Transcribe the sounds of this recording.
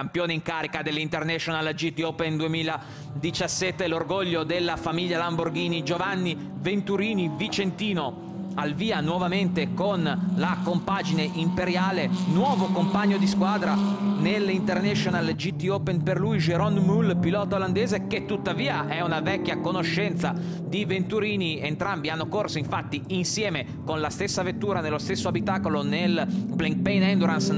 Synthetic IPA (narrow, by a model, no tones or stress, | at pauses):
ampjoːneiŋkaːɾikad̪elːint̪ernɛʃonald͡ʒit̪iopend̪uemiːla | d̪it͡ʃasːɛt̪ːelorɡoʎːod̪elːafamiʎːalamborɡiːnid͡ʒovanːi | vent̪uɾiːnivit͡ʃent̪iːno | alviːanwɔvament̪ekonlakompad͡ʒineʔimpeɾjaːlenwɔːvokompaɲːod̪iskwaːd̪ɾanelint̪ernɛʃonald͡ʒit̪ːioːpenperluid͡ʒeɾɔnmulpilɔːt̪aoland̪ɛːzeket̪ːut̪ːaviːaʔɛunavɛkʲːjakonoʃːɛnt̪sa | d̪ivent̪uɾiːnient̪ɾambianːokorsoiɱfat̪ːiinsjɛːme | konlast̪esːavet̪ːuːɾanelːost̪esːoabit̪aːkolonelbleŋk̚pɛjnɛnd̪oɾans